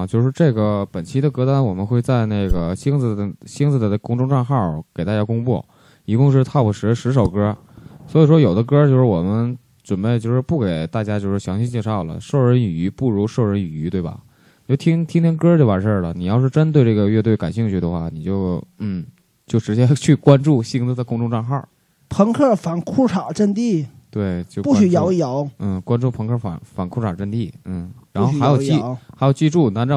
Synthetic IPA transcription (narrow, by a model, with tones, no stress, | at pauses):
t͡ɕjo˥˧ʊʂɻ̩˥˧ʈ͡ʂɤ˥˩ɡə˩pə˨˩nt͡ɕʰi˥d̪ə˧kɤ˥t̪a˥nwɔ˨˩mə˦nxwe˥˧ɪt͡sa˥˧ɪne˥˩ɪɡə˩ɕi˥ŋt͡sɹ̩˧˩d̪ə˩ɕi˥ŋt͡sɹ̩˧˩d̪ə˩˥˩kʊ˥ŋʈ͡ʂʊ˥ŋʈ͡ʂa˥˧nxɑ˥˩ke˨˩ɪt̪a˥˧˩t͡ɕja˥kʊ˥ŋpwɔ̰˥˩ | i˧˥kʊ˥˧ŋʂ̬ɻ̩˥˧t̪ʰa˥˩pu˨˩ʂɻ̩˧˥ʂɻ̩˧˥ʂ̬o˨˩ʊkɤ˥ | swɔ˧˥i˨˩ʂwɔ˥jo˨˩ʊd̪ə˦kɤ˥t͡ɕjo˥˧ʊʂɻ̩˥˩wɔ˨˩mə˦n | ʈ͡ʂwə˨˩npe˥˧ɪt͡ɕjo˥˧ʊʂɻ̩˥˧pu˥˩ke˨˩ɪt̪a˥˩t͡ɕja˥t͡ɕjo˥˧ʊʂɻ̩˥˩ɕjɑ˧˥ŋɕi˥t͡ɕjɛ˥˧ʂɑ˥˩ʊlə̰˩ʂo˥˩ʊɻə˧˥ny˨˩y˧˥pu˥˩ɻu˧˥ʂo˥˩ʊɻə˧˥ny˨˩y˧˥t̪we˥˩ɪbɐ̰˨˩ | i˨t͡ɕjo˥˩t̪ʰi˥ŋt̪ʰi˥ŋt̪ʰjɛ˥ŋkə˥ʈ͡ʂe˥˩wa˨˩ʂə˞˥˩lə˩ni˨˩jɑ˥˧ʊʂɻ̩˥˩ʈ͡ʂə˥nt̪we˧ʈ͡ʂɤ˥˩ɡə˩ɥɛ˥˧t̪we˥˩ɪka˨˩nɕi˥˧ŋt͡ɕʰy˥˩d̪ə˩xwa˥˩ni˨˩t͡ɕjo˥˩ʊn̩˥˩ | t͡ɕjo˥˩ʊʈ͡ʂɻ̩˧˥t͡ɕjɛ˥t͡ɕʰy˥˩kwa˥nʈ͡ʂu˥˩ɕi˥˧ŋt͡sɹ̩˧˥˧kʊ˥˧ŋʈ͡ʂʊ˥˧ŋʈ͡ʂɑ˥˧ŋxa˥˩ | pʰə˧˥ŋkʰə˥˩fa˨˩nkʰu˥ʈ͡ʂʰa˨˩ʈ͡ʂə˥˧nt̪i˥˩t̪we˥˩ɪt͡ɕjo˥˧˩pu˥˩ɕy˧˥jɑ˧˥ʊ˧jɑ˧˥ʊn̩˥˩kwa˥nʈ͡ʂu˥˩pʰə˧˥ŋkʰə˥˩fa̰˨˩nfa˨˩nkʰu˥ʈ͡ʂʰa˨˩ʈ͡ʂə˥˧t̪i˥˩n̩˥˩ɻa˧˥˩xxa˧˥jo˨˩ʊʊi˥˧xa˧˥jo˨˩ʊt͡ɕi˥˧ʈ͡ʂu˥˩na˧˥nʈ͡ʂɑ˥˩